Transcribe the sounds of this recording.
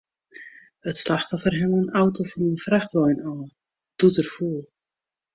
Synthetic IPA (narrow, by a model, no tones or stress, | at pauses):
ətslaxtɔfərɦɪŋənawtofɔnənfraxtvɔjnaː | d̥utərfulˠ